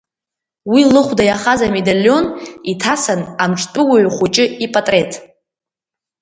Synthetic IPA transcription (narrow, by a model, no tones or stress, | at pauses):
wilɨχʷdajaχazame̞daljo̞nitʰasanamʈ͡ʂʰʼtʼʊwaɥχʷut͡ʃʼɪipʼatʼre̞tʰʼ